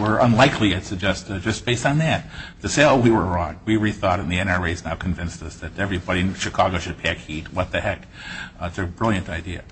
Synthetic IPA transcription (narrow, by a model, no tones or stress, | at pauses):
wə˞ʔə̃nlaɪkʰliɨtʰɨd͡ʒɛstd͡ʒʌsb̥eɪsn̩ðæt̚tʰɨseɪowiwə˞ɹɔ̃ŋwiɹiθɔɾɨ̃n̩ðiɛ̃ñɑɹweɪznaʊkʰɨ̃ɱvɪ̃nstʌsðɨɾɛvɹibɑɾiɨ̃nʃɨkʰɑɡoʊʃɨd̚pʰækhit̚wʌt̪̚ðɨhɛk | ɪtsɨbɹɪlˠjɨ̃ntaɪdiɨ̰